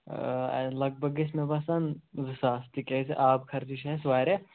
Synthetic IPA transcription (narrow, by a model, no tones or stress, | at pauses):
lɐɡ̚bʱɐɡesmebasɐnzɨsaːst̪ikesʔaːbkʰɐɾd̪iʃʰɐsʋaːɾe